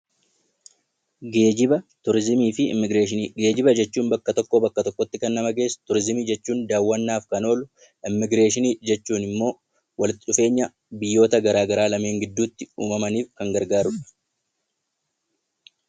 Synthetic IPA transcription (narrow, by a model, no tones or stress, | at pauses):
ɡeːd͡ʒɪbɐt̪ʊɾɪzmiːfɪ̰mɪɡɾeːʃɪnːɡe̞ːd͡ʒɪbɐd͡ʒɛt͡ʃːuːnbɐkːɐt̪ɔkːoːbɐkːɐt̪ɔkːɔt̪ːɪkɐnːɐmɐɡe̞ːst̪ʊɾɪzɪmiːd͡ʒɛt͡ʃːuːnd̪aːwːɐnːaːfkɐno̞ːlʊ | ʔɪmːɪɡɾe̞ːʃɪniːd͡ʒɛt͡ʃːuːnɪmːo̞ː | wɐlɪt̪ːɪᶑʊfe̞ːɲːɐ | bɪjːo̞ːt̪ɐɡɐɾaːɡɐɾaːlɐme̞ːŋɡɪd̪ːuːt̪ːɪṵːmɐmɐniːfkɐŋɡɐɾɡaːɾʊᶑɐ̥